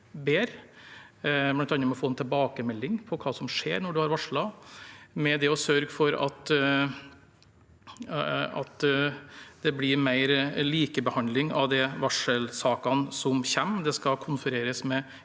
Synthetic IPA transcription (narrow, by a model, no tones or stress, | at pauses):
beːɾ | blɑnt̪ɑnɾmɛɔfoːɛnt̪ʰɛlbɑːkəmɛlːɪŋpʰɔkʰɑːsɔmʂḛːɾnɔɖʉhɑɾʋɑʂɭɑ | mɛd̪ɛɔsœɾɡfɔɾɑ̰t̪ | ɑ̰t̪ | d̪̥ɛblɪɾmæɪɾliːkəbəhɑnd̪lɪŋɑ̰ʋd̪ɛʋɑʂəlsɑːkɑnsɔmçɛmːd̪ɛskɑkʰʊnfəɾeːɾəsmɛ